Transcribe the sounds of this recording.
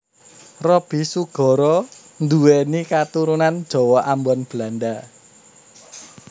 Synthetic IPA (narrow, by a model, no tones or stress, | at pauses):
rɔb̥i̤suɡ̥ɔ̤ɾɔ | nd̪uwenikat̪uɾunand̥ʒ̥ɔ̤wɔʔambɔnb̥landa